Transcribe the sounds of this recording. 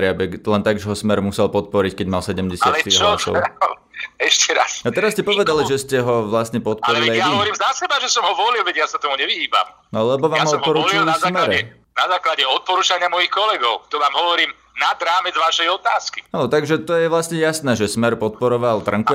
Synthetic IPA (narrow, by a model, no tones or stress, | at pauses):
ɾɪabɛɡlɛnt̪aɡʒɛɦɔsmɛɾmusɛlpɔt̪̚pɔɾickɛɟmalsɛɟɛmɟɛsatlɛt̪iɦɔsɔ̰ | ɛʃcɛɾa̰sat̪ɛɾasːcɛpɔʋɛd̪aliʒɛscɛɦɔʋlast̪ɲɛpɔt̪̚paɔɾɛilajaiʋɔɾiːmzasɛbaʒɛsɔmɦɔʋɔlilʋɛɟjasat̪ɔmuɲɛʋiɦiːba̰mnɔlɛbɔʋaːjamɔt̪mɦpɔɾuːɔlillnazːmɛɾɛ | nazaːklaɟɛɔt̪̚pɔɾuːt͡ʃaɲɪamɔjixkɔlɛɡɔʊt̪ɔʋaːmɦɔʋɔɾiːm | nad̪ɾaːmɛd͡zʋaʃɛjɔt̪aːski̥ʔanɔt̪aɡʒɛt̪ɔjɛʋlasɲɛjasnɛːʒɛsmɛɾpɔt̪̚pɔɾɔʋalt̪rŋk̪